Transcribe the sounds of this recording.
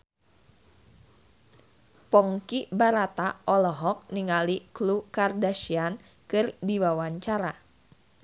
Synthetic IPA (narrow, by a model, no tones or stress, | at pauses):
pɔŋkibaɾat̪aʔɔlɔɦɔk̚niŋaliklukardaʃian | kɨrdiwawaɲt͡ʃaɾa